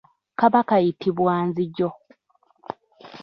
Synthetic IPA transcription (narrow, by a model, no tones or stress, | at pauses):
kaβakajitʰiβwaːnziɟo